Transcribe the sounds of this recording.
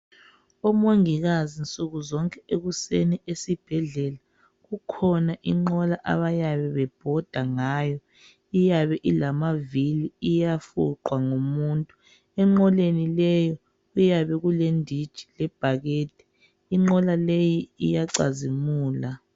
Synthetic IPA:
ɔmoŋiɣazint͡sʼuɣuzɔŋkʼɛeɣuseniesib̥ʱɛɮɛla | ɣukʰɔnaʔiŋ͡ǃɔlaʔa̰βajaβɛβɛb̥ʱɔd̥ʱaŋajɔ | ijaβɛʔilamaviliijafṵǃwaŋomuːntʼu | ɛŋ͡ǃɔlenilɛjɔ | ujaβɛɣulendʱid̥ʒ̥ʱi̥lɛb̥ʱaɣeːt̚ʰʼi̥ː | ŋ͡ǃɔlalejiijaǀa̰zimuːla

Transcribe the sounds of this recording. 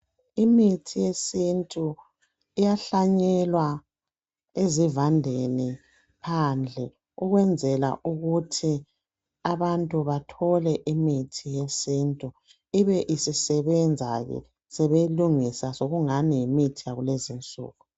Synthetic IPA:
imitʰijesintʼu | ijaɬaɲɛlwa | ezivandʱeni | pʰand͡ɮʱɛ | uɣwɛnd͡zʱɛla̰ʔuɣutʰi | aβantʼuβatʰɔlɛʔimitʰijesiːntʼu | iβɛʔisisɛβɛnd͡zʱaɣɛ̰ | sɛβeluŋisasoɣuŋanijimitʰijaɣulezint͡sʼṵːɣu

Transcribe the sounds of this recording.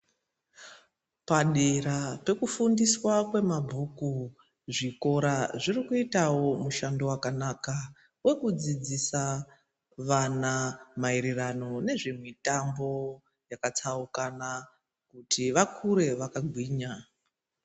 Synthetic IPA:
paɗerape̞kufundiswakwe̞mabʱuku | ʐiko̞ɾaʐirikuitawo̞muʃando̞wakanaːka | we̞kud͡zid͡zisa | ʋanamaiɾirano̞ne̞ʐimwitambo̞ | jakat͡saukana | kutiʋakʰuɾe̞ʋakaɡʱwiːɲa

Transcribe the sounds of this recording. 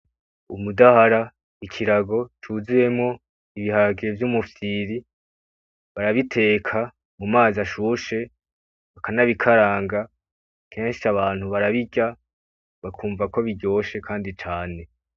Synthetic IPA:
ṵmudahaɾa | ikʰiɾaɡo̞t͡ʃuzije̞mŋo̞ | iβihaɡievjumufiːɾi | βaɾaβitʰe̞ːkʰa | mumaːzaʃuːʃe̞ | βakanaβikʰaɾaːŋɡa | kʰe̞ːnʃiaβaːn̥huβaɾaβiɟa | βakʰuːɱvako̞βiɟo̞ːʃe̞kʰaːndit͡ʃaːne̞

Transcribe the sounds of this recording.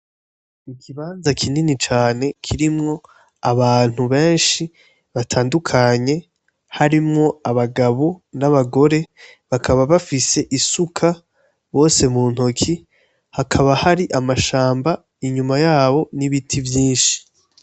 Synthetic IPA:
ikʰiβaːnzakʰininit͡ʃaːne̞kʰiɾimŋo̞ | aβaːn̥huβe̞ːnʃi | βatʰaːndukʰaɲe̞ | haɾimŋo̞aβaɡaβonaβaɡo̞ɾe̞ | βakʰaβaβafise̞ʔisukʰa | βo̞ːse̞muːn̥okʰi | hakʰaβahaɾiʔamaʃaːmba | iɲumajaːβo̞niβitʰivjiːnʃi̥

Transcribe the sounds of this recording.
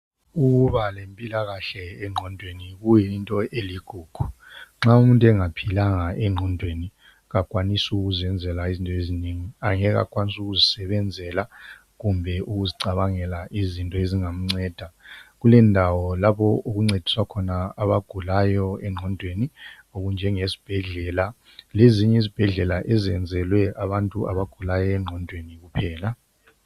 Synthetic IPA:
uɣuβalempʼilaɣaɬɛɛŋ͡ǃʱɔndʱweniɣujintʼɔʔeliɡ̥ʱuːɡ̥ʱu | ŋ͡ǁaumuntʼɛŋapʰilaŋaɛŋ͡ǃʱɔndʱweni | ɣakʼwanisuɣuzɛnd͡zʱɛlaizintʼɔeziniŋiaŋɛɣa̰kʼwanisuɣuzisɛβɛnd͡zʱɛla | ɣumbʱɛʔuɣuziǀaβaŋɛlaʔizintʼɔeziŋam̩ŋ͡ǀɛːd̥ʱaɣulɛndʱawɔlaβɔoɣuŋ͡ǀed̥ʱi̥swakʰɔnaaβaɡ̥ʱulajɔɛŋ͡ǀʱɔndʱweni | oɣund͡ʒʱɛŋesi̥b̥ʱɛɮɛla | leziɲɛizib̥ʱɛɮɛlaʔɛzɛnd͡zʱɛlwɛaβantʼuʔa̰βaɡ̥ʱulajɔɛŋ͡ǃʱɔndʱweniɣupʰɛːla

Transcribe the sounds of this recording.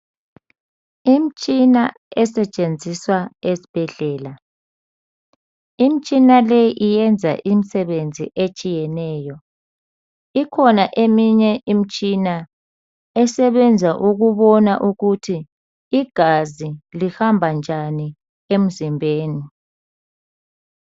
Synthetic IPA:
im̩t͡ʃʼina | ɛsɛt͡ʃʼend͡zʱiswaesi̥b̥ʱɛɮɛːla | im̩t͡ʃʼinalejiʔijɛnd͡zʱa̰ʔim̩sɛɓend͡zʱḭʔet͡ʃʼijɛnɛːjɔ | ikʰɔnaʔemiɲɛʔim̩t͡ʃʼina | ɛsɛβɛnd͡zʱaʔuɣuβɔna̰ʔuɣutʰi | iɡ̥ʱazilihambʱand͡ʒʱani | em̩zimbʱeːni

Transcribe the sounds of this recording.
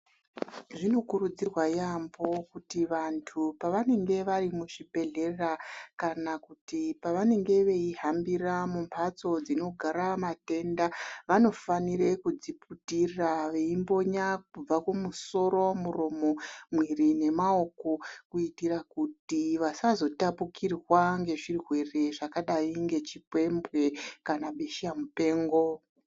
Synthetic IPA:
ʐino̞kuɾud͡zirwajambo̞kutiʋantʰupaʋane̞ŋɡe̞ʋarimuʐibʱe̞ɮe̞rakanakutipaʋane̞ŋɡe̞ʋe̞iɦambiramumpʰat͡so̞d͡zino̞ɡʱaɾamate̞ndaʋano̞faniɾe̞kud͡ziputiraʋe̞imbo̞ɲakub͡vakumuso̞ɾo̞muɾomo̞mwirine̞mao̞ko̞kuitirakutiʋasazo̞tapukʰirwaŋɡe̞ʐirwe̞re̞ʐakaɗaiŋɡe̞t͡ʃipwe̞mbwe̞kanaɓe̞ʃiamupe̞ːŋɡo̞

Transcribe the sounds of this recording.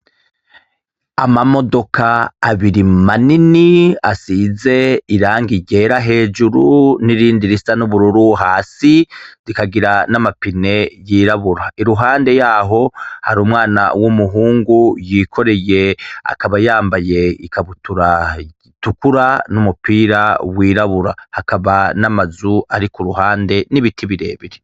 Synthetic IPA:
amamo̞do̞kaːβiɾimaniniasize̞iɾaːŋɡiɟe̞ɾaɦe̞ːd͡ʒuɾuniɾiːndiɾistanuβuɾuɾuɦaːsiɾikaɡiɾanamapine̞jiːɾaβuɾaiɾuɦaːnde̞jaːɦo̞haɾuːmŋaːna̰womuɦuːŋɡujikʰo̞ɾe̞je̞a̰kaβajaːmbaje̞ikʰaβutuɾa | tukuɾanumupiːɾawiːɾaβuɾa̰hakaβanamazuaɾikoɾuɦaːnde̞niβitʰiβiɾe̞̰ːβiɾe

